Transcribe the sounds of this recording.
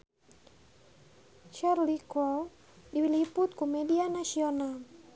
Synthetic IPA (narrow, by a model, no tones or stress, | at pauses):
t͡ʃarlikɔl | diwiliput̪̚kumɛdianasiɔnal